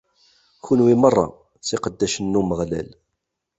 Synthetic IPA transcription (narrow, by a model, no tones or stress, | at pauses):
çunwimərˤːɑ̰ | sɪqəd̪ːæʃənːuməʁlæ̰l